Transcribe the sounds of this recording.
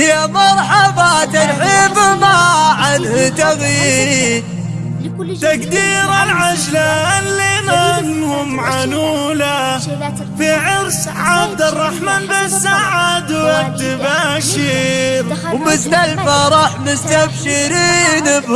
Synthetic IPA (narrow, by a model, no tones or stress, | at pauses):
jamɑɾˤħabat̪anħiːbmaʕanhʊt̪aɣjiːɾ | t̪akd̪iːɾalʕad͡ʒlanlinanhʊmʕanuːla | fiʕɪɾs | ʕabd̪ɪrˤːɑħmaːnbɪsːaʕaːd̪wad̪ɪbaʃiːɾwmɪst̪alfaɾˤɑːħmʊst̪abʃɪɾiːnb